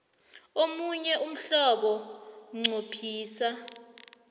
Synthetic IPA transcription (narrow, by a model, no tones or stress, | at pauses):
omuɲɛʔum̩ɬɔɓɔŋ͡ǀʱopʰiːsa